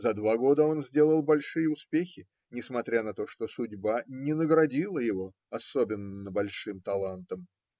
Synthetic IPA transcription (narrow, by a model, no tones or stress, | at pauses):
zɐd̪vaɡo̞d̪əo̞nzʲdʲe̞lˠəlˠbɐlʲʂɨjəʊspʲexʲɪ | nʲɪsmɐt̪ɾʲanɐt̪o̞ʂt̪o̞sʊdʲbanʲɪnəɡɾɐdʲilˠəjɪvo̞ | ɐsobʲɪnːəbɐlʲʂɨmt̪ɐlˠant̪əm